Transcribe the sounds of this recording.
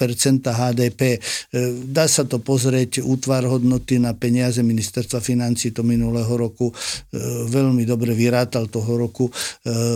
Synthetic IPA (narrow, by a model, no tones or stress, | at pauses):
pɛɾt͡sɛnt̪aɦaːd̪ɛːpɛː | d̪aːsat̪ɔpɔzɾɪɛcuːt̪ʋaɾɦɔd̪nɔt̪inapɛɲɪazɛminist̪ɛɾst̪ʋafinant͡siːt̪ɔminulɛɦɔɾɔku | ʋɛʎmid̪ɔbɾɛʋiɾaːt̪alt̪ɔɦɔɾɔku